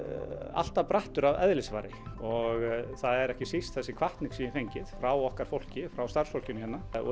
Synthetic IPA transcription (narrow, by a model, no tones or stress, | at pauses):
a̰l̥t̪apɾaht̪ʏɾavɛ̰ðlɪsvaːɾɪɔɣθaðɛɾɛhcɪsist̪̚θɛsːɪkʰvaht̪nɪksiɪnfejɲcɪðfɾawɔhkaɾ̥fowl̥cɪfɾawst̪aɾ̥sfowl̥cʏnhɛnːaɔ̰